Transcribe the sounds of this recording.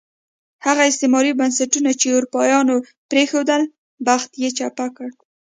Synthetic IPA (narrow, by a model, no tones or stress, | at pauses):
haɣaɪst̪emɑɾibansaʈunat͡ʃeʊɾupɑjɑno | pɾexod̪əl | baxt̪jet͡ʃapakəɽ